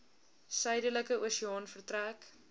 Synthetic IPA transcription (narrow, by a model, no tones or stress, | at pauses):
sœjdələkəʔoːsiɑːnfərtræk